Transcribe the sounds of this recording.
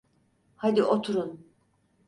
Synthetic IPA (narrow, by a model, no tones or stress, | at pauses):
had̪iʔot̪ʰuɾun